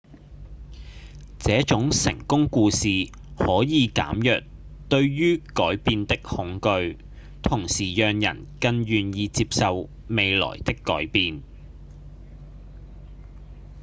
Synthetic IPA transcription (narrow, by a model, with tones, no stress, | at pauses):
t͡sɛː˨˥t͡ʃʊ˨˥ŋsɪ̰˨˩ŋkʊ˥ŋkuː˧siː˨ | hɔː˨˥jiː˨˧ka̰ː˨˥mjœ̰ː˨k̚ | t̪ɵ˧ɥɥyː˥kɔː˨˥jpiː˧nt̪ɪ˥k̚hʊ˨˥ŋkɵ˧ɥ | t̪ʰʊ˨˩ŋsiː˨˩jœː˨ŋjɐ̰˨˩nkɐ˧njyː˨˩njiː˧t͡siː˧p̚sɐ˨w | me˨˧jlɔ̰ː˨˩jt̪ɪ˥kːɔ̰ː˨˥jpiː˨˧n